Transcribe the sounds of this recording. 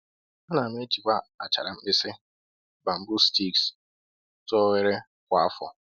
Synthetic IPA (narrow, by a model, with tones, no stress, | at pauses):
a˦na˨m˦e˦t͡ʃi˨ka˦a̰˨t͡ʃa̰˨ɾa˨m̩˦bɪ˦sɪ˦ | ba˨m̩˦bʊ˦sti˦ks | tɔ˦we˦ɾe˦ | kʷa˨a˦fɔ̰˨